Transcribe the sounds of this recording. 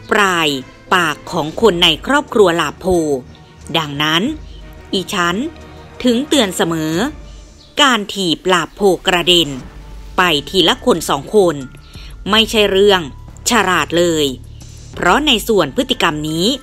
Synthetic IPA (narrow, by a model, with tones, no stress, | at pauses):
pɾaː˧j | paː˨˩kʰːɔː˩˦ŋkʰo˧nːa˧jkʰɾɔː˥˩p̚kʰɾu˧ɐlaː˨˩pʰːoː˧ | da˧ŋna˦˥nʔiː˨˩t͡ɕʰa˦˥nt̪ʰɯ˨˩˦ŋt̪ɯ˧ənsa˧mɤː˩˦ | kaː˧nt̪ʰiː˨˩p̚laː˨˩pʰːoː˧kɾa˧de˧npa˧jt̪ʰiː˧˩la˦˥kʰo˧nsɔː˩˦ŋkʰo˧n | ma˥˩jt͡ɕʰa˦˥jɾɯ˥˩əŋ | t͡ɕʰa˧ɾaː˨˩t̪̚lɤː˧j | pʰɾɔ˦˥na˧jsu˨˩ənpʰɯ˦˥t̪ʰːi˧ka˧mniː˦˥